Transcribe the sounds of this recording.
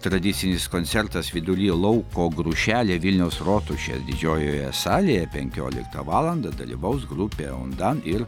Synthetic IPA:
t̪ɾɐd̪ʲɪt̪sʲɪnʲɪskoːnt̪sʲɛɾt̪ɐsʋʲɪd̪ʊlʲiːlˠɐʊkoːɡɾʊʃʲæːlʲeːʋʲɪlʲnʲɛʊsɾoːt̪ʊʃʲḛːsd̪ʲɪd͡ʒʲoːjoːjɛ̰sɑːlʲejɛpʲɛŋʲkʲo̰ːlʲɪ̰kt̪ɐʋɑːlˠɐnd̪ɐd̪ɐ̰lʲḭʋɐʊsɡɾupʲeːʊ̰nd̪ɐnɪɾ

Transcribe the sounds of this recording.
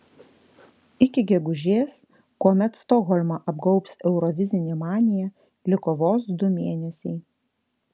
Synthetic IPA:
ɪkʲɪɡʲɛɡʊʒʲeːs | koːmʲɛt̪st̪ɔɣɔlʲmɑʔɐbɡɒʊpsɛʊɾɔʋʲɪzʲɪnʲeːmɑːnʲɪjɛ | lʲɪkɔʋoːsd̪ʊmʲeːnʲɛsʲɛɪ

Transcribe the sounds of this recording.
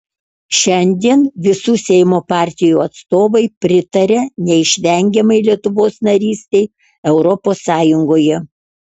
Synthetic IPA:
ʃʲɛnʲd̪ʲiɛnʋʲɪsuːsʲɛɪmoːpɑːˑɾʲt̪ʲɪjuːɐt̪st̪oːʋɐɪpʲɾʲɪt̪ɐɾʲɛnʲɛɪʃʲʋʲɛˑŋʲɡʲɛmɐɪlʲiɛt̪ʊʋoːsnɐɾʲiːsʲt̪ʲɛɪ | ɛʊɾɔpoːsːɑːjʊŋɡoːjɛ

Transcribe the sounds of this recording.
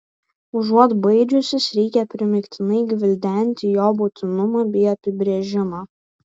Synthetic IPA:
ʊʒuɔt̪bɐɪd͡ʒʲʊsʲɪsɾʲɛɪkʲɛpʲɾʲɪmʲɪkʲt̪ʲɪnɐɪɡʲʋʲɪlʲd̪ʲɛnʲt̪ʲɪjoːbʊt̪ʲɪnʊmɑːbʲɛɪɐpʲɪbʲɾʲeːʒʲɪmɑː

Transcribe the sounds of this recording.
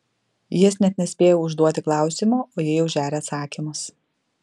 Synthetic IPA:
jɪɛsnʲɛt̪̚ʲnʲɛsʲpʲeːjɛʊʒd̪uɔt̪ʲɪklˠɑˑʊsʲɪmoːʔoːjɪjɛʊʒʲæːɾʲeːɐt̪sɑːkʲimʊs

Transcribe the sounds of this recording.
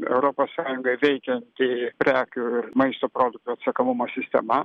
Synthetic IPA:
ɛ̰ʊɾoːpoːssɑːjʊŋɡɐɪʋʲɛɪkʲɛnt̪ʲɪpʲɾʲæːkʲuɪɾmɐɪst̪oːpɾoːd̪ʊk̚t̪uːɐt̪sɐkomʊmoːsʲɪsʲt̪ʲɛ̰mɐ

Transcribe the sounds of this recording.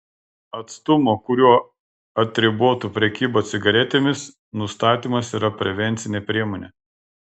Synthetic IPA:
ɐt̪st̪ʊmoːkʊɾʲuɔ | ɐt̪ʲɾʲɪbuɔt̪upʲɾʲɛkʲiːboːt̪sʲɪɡɐɾʲɛt̪ʲeːmʲɪs | nʊst̪ɑːt̪ʲiːmɐsiːɾɐpʲɾʲɛʋʲɛnʲt̪sʲɪnʲepʲɾʲiɛmoːnʲeː

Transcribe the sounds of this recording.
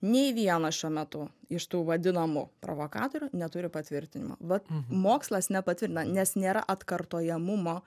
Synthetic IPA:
nʲɛɪʋʲiɛnɐʃʲuɔmʲɛt̪ʊɪʃt̪uːʋɐd̪ʲɪnɐmʊpɾo̰ːʋoːkɑ̰ːt̪oːɾʲʊnʲɛt̪ʊɾʲɪpɐt̪ʲʋʲɪɾʲt̪ʲɪnʲɪ̰mo̰ʋɐtmoːkslˠɐsnʲɛpɐt̪ʲʋʲɪɾʲt̪ʲɪnɐnʲɛsnʲeːɾɐ̰ʔɐt̪kɐrt̪oːjɛmʊmoː

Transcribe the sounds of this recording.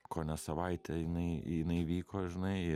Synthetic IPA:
koːnʲɛsɐʋɐɪt̪ʲʰɛjɪnɐɪɪnɐɪʋʲiːkoːʒʲɪnɐɪɪ

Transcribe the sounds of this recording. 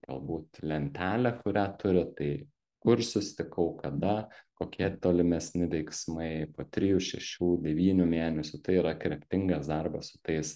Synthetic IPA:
ɡɐ̰lˠbuːt̪lʲɛnʲt̪ʲæːlʲɛkʊɾʲæːt̪ʊɾʲɪt̪ɐɪ | kʊrsʊsʲɪt̪ʲɪkɐʊkɐd̪ɐkoːkʲiɛt̪oːlʲɪmʲɛsʲnʲɪʋʲɛɪksmɐɪpoːt̪ʲɾʲɪjuʃʲɛʃʲuːd̪ʲɛʋʲiːnʲumʲeːnʲɛsʲʊt̪ɐɪiːɾɐkɾʲɛpʲt̪ʲɪŋɡɐsd̪ɐrbɐsʊ̥t̪ɐɪs

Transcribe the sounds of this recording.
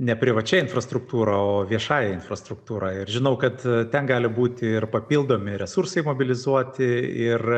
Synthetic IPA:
nʲɛpʲɾʲɪʋɐt͡ʃʲɛɪnfrɐst̪ɾʊkt̪uːɾɐoːʋʲiɛʃɑːjɛɪnfrɐst̪ɾʊkt̪uːɾɑɪrʒʲɪnɐʊkɐt̪t̪ʲɛnɡɑːlʲɪbuːt̪ʲɪɪrpɐpʲiːlˠd̪oːmʲɪɾʲɛsursɐɪmoːbʲɪlʲɪzuɔt̪ʲɪɪr

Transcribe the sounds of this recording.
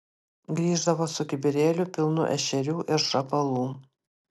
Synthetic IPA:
ɡɾʲiːʒd̪ɐʋoːsʊk̪ʲɪbʲɪɾʲeːlʲʊpʲɪlˠnʊ̰ʔɛ̰ʃʲɛɾʲuːʔɪɾʃɐpɐlˠuː

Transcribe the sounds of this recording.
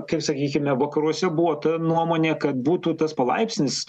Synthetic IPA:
kɐɪpsɐkʲiːkʲɪmʲɛʋɐkɐɾuɔsʲɛbuʋɔːt̪ɐnuɔmoːnʲeːkɐt̪̚buːt̪uːt̪ɐspɐlˠɐ̰ɪpʲsʲnʲɪs

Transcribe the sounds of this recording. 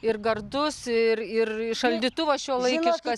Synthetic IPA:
ɪrɡɐrd̪ʊsɪrɪrʃɐlʲd̪ʲiːt̪ʊʋɐsʃʲuːlˠɐɪkʲɪʃkɐ

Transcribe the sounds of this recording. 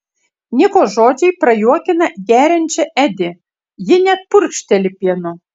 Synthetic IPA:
nʲikoʒod͡ʒʲɛjprɐjuɔkʲɪnɐɡʲæɾʲɘ̆nʲt͡ɕɛʔæd̪ʲe | jɪnʲæt̪̚purʲkʃt̪ʲɛlʲɪpʲiɛno

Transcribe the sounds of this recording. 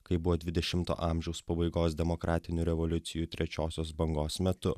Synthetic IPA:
kɐɪbʊʋoːd̪ʲʋʲɪd̪ʲɛʃʲɪmt̪o̰ːʔɑˑmʲʒʲɛʊspɐbɐɪɡoːsd̪ʲɛmokɾʔɑːt̪ʲɪnʲuːɾʲɛʋɔlʲʊt̪sʲɪjuːt̪ʲɾʲɛt͡ʃʲoːsʲoːsbɐŋɡoːsmʲɛt̪ʊ

